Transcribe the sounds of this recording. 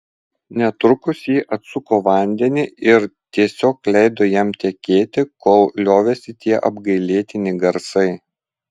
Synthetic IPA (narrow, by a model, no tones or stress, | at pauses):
nʲɛt̪ɾʊkʊsjiːʔɐt̪sʊkoːʋɐˑnʲd̪ʲɛnʲiʔɪɾt̪ʲiɛsʲoːklʲɛɪd̪oːjɛmt̪ʲɛkʲeːt̪ʲɪkoːlˠlʲoːʋʲɛsʲɪt̪ʲiɛʔɐbɡɐɪlʲeːt̪ʲɪnʲɪɡɐɾsɐɪ